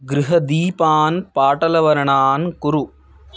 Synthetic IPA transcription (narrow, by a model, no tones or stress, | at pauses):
ɡɾɪɦɐd̪iːpaːnpaːʈɐlɐʋɐɾɐɳaːnkʊɾu